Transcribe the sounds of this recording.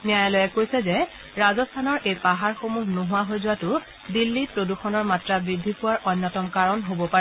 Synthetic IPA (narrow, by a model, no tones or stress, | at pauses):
nijajalɔjɛkojsɛzɛ | ɹazɔstʰanɔɹʔejpaɦaɹxomuɦnoɦʊwaɦojzʊwatʊ | dilːipɹoduxɔnɔɹmatɹabɹidʱːipʊwaɹʔɔnːɔtɔmkaɹɔnɦobɔpaɹɛ